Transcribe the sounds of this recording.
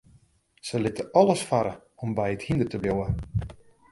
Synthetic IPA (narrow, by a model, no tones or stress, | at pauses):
səlɪtəɔləsfaɾə | ɔmbɛjəthindətəbjowə